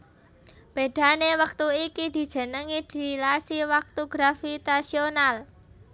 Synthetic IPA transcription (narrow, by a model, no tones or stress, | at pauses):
b̥e̤d̪̥a̤newək̚t̪uikid̪̥i̤d̥ʒ̥ə̤nəŋid̪̥i̤lasiwak̚t̪uɡ̥ɾafit̪asional